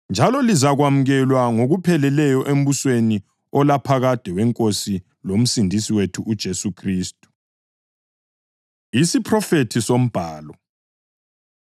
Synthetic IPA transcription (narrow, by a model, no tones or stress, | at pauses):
nd͡ʒʱalɔlizaɣwamuɣɛlwaŋoɣupʰɛlɛlɛjɔʔem̩βusweni | ɔlapʰaɣad̥ʱɛɣwɛŋkʼosi | lom̩sindʱisiwetʰuʔud̥ʒ̥ʱesukʰriːstʼu̥ | isipʰrɔfetʰisom̩b̥ʱaːlɔ